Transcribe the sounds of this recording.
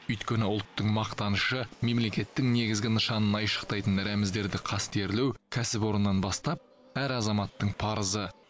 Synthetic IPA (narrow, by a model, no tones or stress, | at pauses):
ʏjt̪kʲe̞nɪʊlˠt̪ːəɴmɑqt̪ɑnəʃəme̞mle̞kʲe̞t̪ːɪŋne̞ɡʲɪzɡʲɪnəʃɑnənɑjʃə̥qt̪ɑjt̪ənɾæmɪzd̪e̞ɾd̪ɪqʰɑst̪e̞ɾlewkʲʰæsɪpwo̞ɾənːɑnbɑst̪ɑp̚ | æɾɑzɑmɑt̪ːəɴpʰɑɾəzə